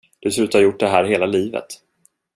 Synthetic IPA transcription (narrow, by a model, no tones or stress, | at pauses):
d̪̥ɛs̬lʉ̟ːt̪haɾjʊʈ̚ːd̪ɛɦæːɾɦeːlaliːvə̰t̪